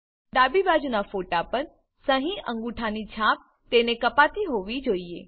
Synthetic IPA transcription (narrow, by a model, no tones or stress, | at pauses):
ɖ̪abibad͡ʒunafoʈapəɾ | səɦĩʔə̃ŋɡuʈʰanit͡ʃʰãp̚ | t̪enekəpat̪iɦoʋid͡ʒoie